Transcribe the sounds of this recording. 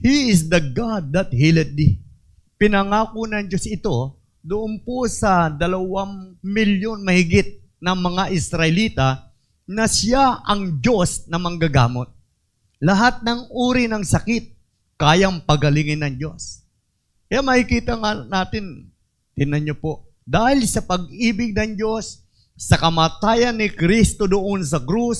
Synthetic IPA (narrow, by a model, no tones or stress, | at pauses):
hiɪs̬d̪ɐɡad̪̚ːɐt̪̚hilɛd̪̚i | pɪnɐŋaːkonɐŋd͡ʒo̞sɪt̪o̞ | d̪ʊʔonposɐd̪ɐlɐwaŋmɪljo̞nmɐhɪɡɪt̪̚ | nɐŋmɐŋaʔɪsɾɐʔɪliːt̪ɐ | nɐsjaʔɐŋd͡ʒo̞snɐmɐŋɡɐɡa̰ːmot̪̚ | lɐɦat̪̚nɐŋʔuːɾɪnɐŋsɐkɪt̪̚ | kaːjɐŋpɐɡɐlɪŋɪnːɐŋd͡ʒo̞s | kɐjamɐkɪkiːt̪ɐŋanaːt̪ɪn | t̪ɪnɐɲːopo̞ʔ | d̪aːhɪlsɐpɐɡ̚ʔiːbɪɡ̚nɐŋd͡ʒo̞sː | ɐkɐmaːt̪aːjɐnːɪkɾist̪o̞d̪oʔons̬ɐkɾus